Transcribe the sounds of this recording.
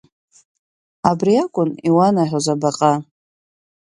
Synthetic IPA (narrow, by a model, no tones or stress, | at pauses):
abriakʷʼʊniwanaħʷᶣozabaqʼa